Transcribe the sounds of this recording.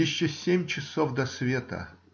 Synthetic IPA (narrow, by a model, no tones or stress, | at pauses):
ɪɕːɔsʲemʲt͡ɕɪsofd̪ɐsvʲet̪ə̰